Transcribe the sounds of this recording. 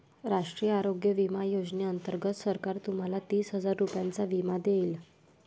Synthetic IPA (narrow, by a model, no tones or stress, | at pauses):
ɾaʂʈɾijəaɾoɡjəʋimajod͡zneənt̪əɾɡət̪səɾkaɾt̪um̤alat̪iːsɦəd͡zaɾːupjant͡saʋimad̪eiːl